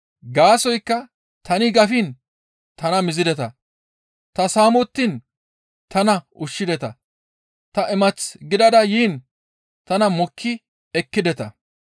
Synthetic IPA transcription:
ɡaːsɔjkːɐ | t̪ɐnɪɡɐfin | t̪ɐnɐmɪzɪd̪ɛt̪ɐ | t̪ɐsaːmɔt̪ːin | t̪ʰɐnɐʊʃːɪd̪ɛt̪ɐ | t̪ɐʔɪmɐt͡sɡɪd̪ɐd̪ɐjiːn | t̪ɐnɐmɔkʰːɪ | ɛkːɪd̪ɛt̪ɐ̰

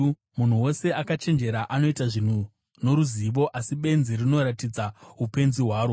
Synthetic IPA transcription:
mun̤uwo̞se̞ʔakat͡ʃe̞nd͡ʒe̞ɾaʔano̞itaʐin̤u | no̞ɾuziʋo̞ʔasiɓe̞nzirino̞ɾatid͡zaupe̞nziɦwaːɾo

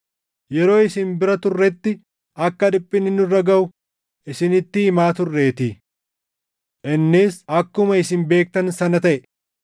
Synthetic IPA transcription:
jɛɾo̞ːɪsɪnbɪɾɐt̪ʊrːɛt̪ːɪ | ʔɐkːɐᶑɪpʼːɪnːɪnʊrːɐɡɐʔʊ | ʔɪsɪnɪt̪ːɪːmaːt̪ʊrːe̞ːt̪iː | ʔɛnːɪsɐkːʊmɐɪsɪnbe̞ːk̚t̪ɐnsɐnɐt̪ɐʔɛ

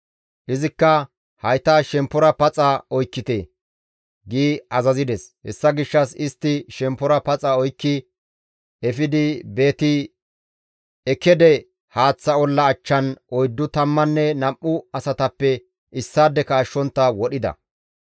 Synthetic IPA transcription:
ʔɪzɪkːɐ | hɐjt̪aʃɛmpːɔɾɐpɐt͡sʼɐɔjkːɪt̪e | ɡiːɐzɐzɪd̪ɛshɛ̰sːɐɡɪʃːɐsɪst̪ːɪʃɛmpːɔɾɐpɐt͡sʼɐɔjkːɪ | ɛfɪd̪ɪbe̞ːt̪ɪ | ɛkːɛd̪ɛ | haːt͡sːɐɔlːɐːt͡ʃːɐnʔɔjd̪ːʊt̪ɐmːɐnːɛnɐmʔːʊɐsɐt̪ɐpːɛ | ʔɪsːaːd̪ːɛkɐːʃːɔnt̪ːɐwɔɗɪd̪ɐ̰

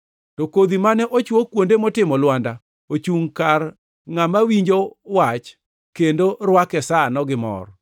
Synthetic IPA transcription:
tokod̪imanɛʔot͡ʃwokwondemɔtɪmɔlwanda | ot͡ʃuŋkar | ŋamawiɲd͡ʒowat͡ʃ | kendorwakɛsanɔɡɪmɔ̰r

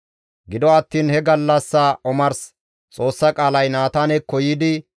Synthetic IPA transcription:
ɡɪd̪ɔɐt̪ːiːnhɛɡɐlːɐsːɐɔmɐɾs | t͡sʼo̞ːsːɐkʼaːlɐjnaːt̪aːnɛkːɔjɪd̪ɪ

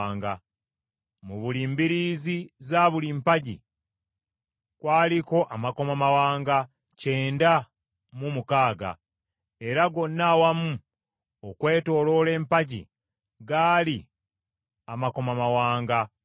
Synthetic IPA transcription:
ŋɡa | muβuliːmbiɾiːzizaːβulimpaɟḭ | kwaːliko̞ʔamako̞mamawaːŋɡa | ceːnda | mumukaːɡa̰ | e̞ɾaɡo̞nːawamu | okwe̞ːto̞ːlo̞le̞ːmpaɟḭ | ɡaːli | amako̞mamawaːŋɡa

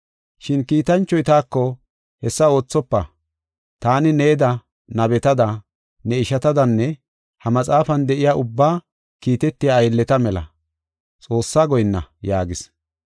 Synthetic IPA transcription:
ʃɪnkiːt̪ɐnt͡ʃːɔjt̪aːkːɔ | hɛsːɐo̞ːt͡sːɔpːɐ | t̪aːnɪneːd̪ɐ | nɐbɛt̪ɐd̪ɐ | nɛɪʃɐt̪ɐd̪ɐnːɛ | hɐmɐt͡sʼaːfɐnd̪ɛʔɪjaːʔʊbːaː | kiːt̪ɛt̪ːɪjaːjlːɛt̪ɐmɛlɐ̰ | t͡sʼo̞ːsːaːɡɔjnːɐ̰jaːɡɪs

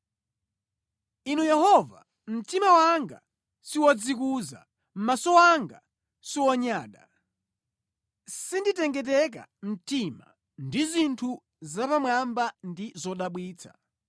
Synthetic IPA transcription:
inujɛhɔva̰ | m̩timawaŋɡa | siwɔd͡zik̬uza̰ | m̩masɔaŋɡa | siwɔɲaːɗa̰ | sinditɛŋɡɛt̬ɛk̬a̰m̩tima̰ | ndizintʰu | zapamwambandizɔɗaɓwiːt͡sʰa̰̥

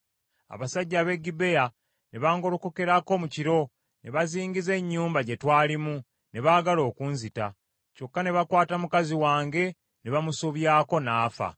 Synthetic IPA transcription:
a̰βasaɟːaːβe̞ɡːibe̞ja | ne̞βaːŋɡo̞lukoke̞ɾako̞muciɾo̞ | ne̞βaziːŋɡize̞ɲːuːmbaɟe̞twaːlimu | ne̞βaːɡalo̞ːkuːnzita | co̞kːane̞βakwaːtamukaziwaːŋɡe̞ | ne̞βamusoβjaːko̞naːfa̰

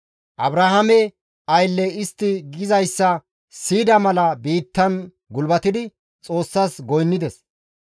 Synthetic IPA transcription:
ʔɐbɾahɐmɛ | ɐjlːɛɪst̪ːɪɡɪzɐjsːɐ | siːd̪ɐmɐlɐbiːt̪ːɐn | ɡʊlbɐt̪ɪd̪ɪ | t͡sʼo̞ːsːaːsɡɔjnːɪd̪ɛs

